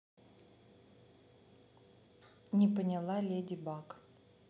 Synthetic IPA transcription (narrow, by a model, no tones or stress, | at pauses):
nʲɪpənʲɪlˠalʲedʲɪbak